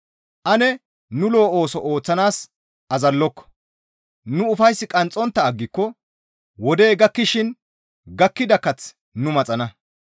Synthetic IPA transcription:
ʔɐnɛ | nʊlo̞ːʔoːsɔʔo̞ːt͡sːɐnaːs | ʔɐzɐlːɔkːɔ̥ | nʊːʊfɐjsːɪkʼɐnt͡sʼːɔnt̪ːɐːɡːɪkːɔ | wɔd̪e̞ːɡɐkːɪʃɪn | ɡɐkːɪd̪ɐkːɐt͡s | nʊmɐt͡sʼɐnɐ

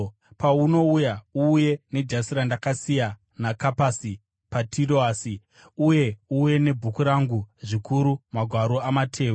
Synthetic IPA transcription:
pauno̞ujauːje̞ne̞d͡ʒasiɾandakasija | nakapasi | patʰiroasi | uje̞uje̞ne̞bʱukuɾaŋɡuʐikʰuɾumaɡʱwaɾoamatʰe̞ːwo

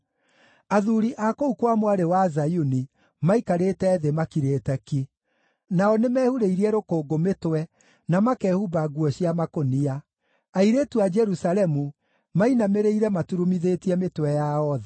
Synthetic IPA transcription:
aðuɾiʔakoukwamwaɾewazajuni | maikaɾeːtɛðemakiɾeːtɛki | naɔnemɛːhuɾeiɾiɛɾokoːɡometwɛ | namakɛːhubaɡuɔɕiamakonia | aiɾetuad͡ʒɛɾusalɛmu | mainameɾeiɾɛmatuɾumiðetiɛmetwɛjaɔða

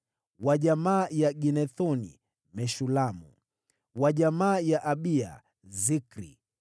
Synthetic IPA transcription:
waʄamaːjaɡinɛθɔnḭ | mɛʃulamṵ | waʄamaːjaʔaɓia̰ | zikɾḭ

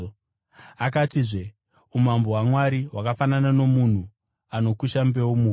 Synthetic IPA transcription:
akatiʐe̞ | umambo̞ɦwamwaɾiwakafananano̞mun̤u | ano̞kuʃambe̞womuɦ

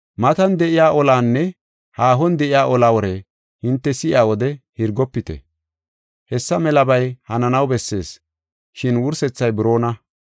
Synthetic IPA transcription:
mɐt̪ɐnd̪ɛʔɪjaːʔɔlaːnːɛ | haːɦɔnd̪ɛʔɪjaːʔɔlaːwɔɾɛ | hɪnt̪ːɛsɪʔɪ̰aːwɔd̪ɛhɪɾɡɔpːɪt̪ɛ̰ | hɛsːɐmɛlɐbɐjhɐnɐnɐwbɛsːe̞ːs | ʃɪnwʊɾsɛt͡sːɐjbɪɾo̞ːnɐ

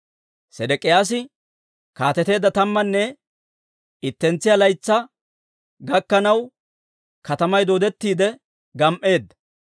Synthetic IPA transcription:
sɛd̪ɛkʼɪjaːs̬ɪ | kaːt̪ɛt̪e̞ːd̪ːɐt̪ɐmːɐnːɛ | ɪt̪ːɛnt͡sːɪjalɐjt͡sːɐ | ɡɐkːɐnɐw | kɐt̪ɐmɐjd̪oːd̪ɛt̪ːiːd̪ɛ | ɡɐmʔe̞ːd̪ːɐ

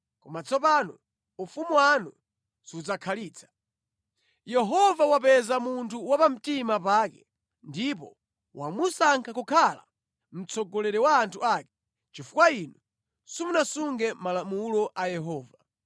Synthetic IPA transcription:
kɔmat͡sʰɔpanɔ | ufumuwanu | siud͡zakʰaliːt͡sʰḁ | jɛɦɔvawapɛzamuntʰuwapam̩timapaːkɛ | ndip̬ɔ̰ | wʔamusaŋkʰakɔkʰala̰ | m̩t͡sʰɔɡɔlɛɾɛwaːntʰuakɛ | t͡ʃifukwainu | sumunasuŋɡɛmalamulɔʔajɛɦɔːva

